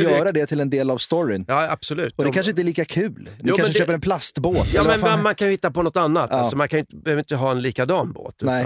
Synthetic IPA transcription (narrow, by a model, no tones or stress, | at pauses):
jœːɾad̪ɛt̪ʰɪlɛnd̪eːlavst̪ɔɾɪnjɑːa̰b̥sɔlʉ̟ːt̪ɔd̪ɛkʰanʂəɪnt̪ɛliːkakʰʉ̟ːljuːkamɛd̪øːp̬əɾɛnpʰlast̪boːt̪jɑːmɛnɛnmankʰanjɵhɪt̪ːapɔnɔt̪ːanːat̪alsɔmankʰanʏɪnt̪əbɛhøːvɾɪnt̪əɦɑːɛnliːkad̪ɑːnbo̰ːt̪ːɛ